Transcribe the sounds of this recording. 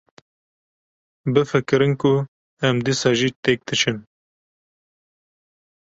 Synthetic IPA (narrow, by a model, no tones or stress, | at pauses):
bɨfɨkɨɾɨnkʊ | ɛmd̪iːsɑːʒiːt̪ek̚d̪ɨt͡ʃʰɨn